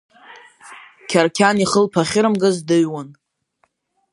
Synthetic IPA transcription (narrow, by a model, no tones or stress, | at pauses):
kʲʰarkʲʰaniχəlpʰaχʲɪɾɨmɡɨzdɨɥwan